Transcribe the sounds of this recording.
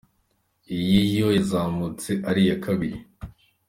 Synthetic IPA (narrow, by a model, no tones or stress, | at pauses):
ijijojazaːmut͡seʔaɾijakʰaβiɾi